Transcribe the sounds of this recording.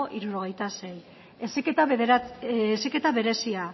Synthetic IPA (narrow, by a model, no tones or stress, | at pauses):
ʔiɾuɾo̞ɣ̞e̞jt̪ase̞j | esket̪a | sike̞t̪aβe̞ɾe̞sia